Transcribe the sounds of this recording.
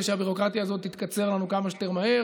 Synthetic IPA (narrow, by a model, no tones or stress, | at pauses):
ʃeabiʁo̞kʁat̪jaːzo̞t̪ːit̪kat͡se̞ʁlanukamaʃte̞ʁmahe̞